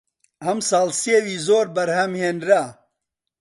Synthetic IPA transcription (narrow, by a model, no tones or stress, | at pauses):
hɐmsɑːlseːwiːzoːɾbɐɾhɐmheːndɾa